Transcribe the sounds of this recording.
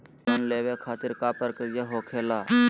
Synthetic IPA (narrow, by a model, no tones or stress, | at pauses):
onleːʋekʰaːt̪ɪɾkaːpəɾkəjɐɦoːkʰeːlaː